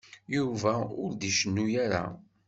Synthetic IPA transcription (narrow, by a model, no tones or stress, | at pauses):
juvæʊɾd̪iʃənːujaɾa̰